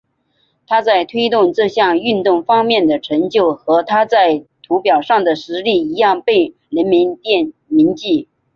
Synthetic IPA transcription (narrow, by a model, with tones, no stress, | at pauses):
t̪ʰa˥t͡sa˥˩ɪt̪ʰwe˥ɪt̪ʊ˥˧ŋʈ͡ʂɤ˥˧ɕjɑ˥˧ŋy˥˧nt̪ʊ˥˩ŋfɑ˥ŋmjɛ˥˩nd̪ə˩ʈ͡ʂʰɤ˧˥ŋt͡ɕjo˥˩ʊxɤ˧˥t̪ʰa˥t͡sa˥˩ɪt̪ʰu˧˥pjɑ˨˩ʊʂɑ˥˩ŋd̪ə˩ʂɻ̩˧˥li˥˩i˧˥jɑ˥˧ŋpe˥˩ɪ | ɻə˧˥nmi˧˥nt̪jɛ˥˩nmi˧˥nt͡ɕi˥˩